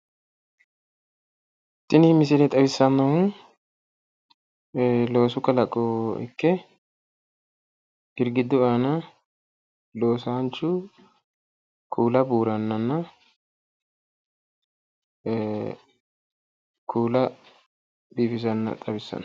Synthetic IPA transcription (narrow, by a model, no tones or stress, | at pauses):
t̪ːɪnmɪs̬ɪlɛt̪ʼɐbɪsːɐnːɐhʊn | lo̞ːsʊkːɐlɐkʼːɔɛ̰kːɛ | hɪɾɡɪd̪ʊaːnɐ | lo̞ːsaːnt͡ʃːʊ | kʰuːlɐbuːɾɐnːɐnːɐ | kʰuːlɐ | biːfɪzɐnːɐ̰t̪ʼɐbɪsːɐ̰n